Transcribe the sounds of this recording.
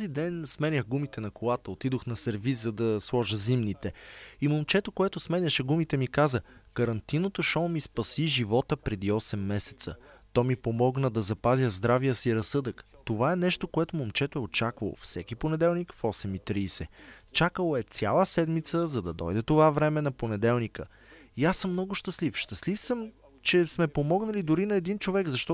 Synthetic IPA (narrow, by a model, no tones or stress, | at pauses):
t̪zid̪ɛnsmɛnʲəxɡumit̪ɛnɐkolˠat̪əot̪id̪oxnɐsɛɾviszɐd̪ɐslˠɔʒəzimnit̪ɛimomt͡ʃɛt̪okoɛt̪osmɛnʲɐʃɛɡumit̪ɛmikazəkəɾɐnt̪inot̪oʃɔmispɐsiʒivɔt̪əpɾɛd̪iɔsɛmːɛsɛ̥t̪sə̰t̪ɔmipomɔɡnəd̪ɐzɐpazjəzd̪ɾavijəsiɾɐsɤd̪əkt̪ovaɛnɛʃt̪okoɛt̪ʊmomt͡ʃɛt̪ʊɛot͡ʃakvə̰lˠo̰fsɛkʲiponɛd̪ɛlˠnikfɔsɛmit̪ɾiːsɛt͡ʃakəlˠoɛt̪sʲjalˠəsɛd̪mit̪səzɐd̪ɐd̪ɔ̰jd̪ɛt̪ovavɾɛmɛnɐponɛd̪ɛlˠnikə | iasɤmːnɔɡʊʃt̪əslifʃt̪ɐslifsɤm | t͡ʃɛsmɛpomɔɡnəlid̪ʊɾinɐɛd̪int͡ʃovɛɡzɐʃt̪ɔ